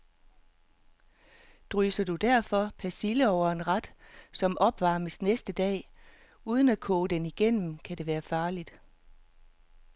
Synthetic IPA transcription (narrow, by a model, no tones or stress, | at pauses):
d̥ʁyːsɐd̥ud̥æɐ̰fɒ̽pʰæsiləɒʊ̰ɐe̝nʁɑd̥sɒ̽mʔɒ̽b̥ʋɑ̈ːməsnesd̥əd̥ɛ̰ː | uːð̞ˠən̩ækʰɔːd̥eniɡ̥en̰m̩kʰædɾe̝ʋæːɐfɑ̈ːlid̥